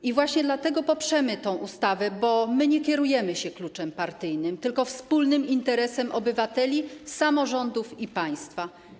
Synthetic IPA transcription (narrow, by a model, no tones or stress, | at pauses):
ivwaɕɲɛd̪lat̪ɛɡɔpɔpʂɛmɘt̪ɔ̃w̃ʔust̪avɛbɔmɘɲɛkʲɛɾujɛmɘɕɛklut͡ʂɛmpaɾt̪ɘjnɘmt̪ɘlkɔfspulnɘmint̪ɛɾɛsɛmʔɔbɘvat̪ɛlʲisamɔʐɔnd̪ufipaj̃st̪fa